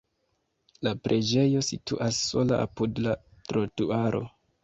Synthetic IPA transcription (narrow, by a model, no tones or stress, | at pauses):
lapɾʔe̞d͡ʒe̞jo̞sitṵʔasːo̞laʔa̰pudlatɾotuaɾo̞̰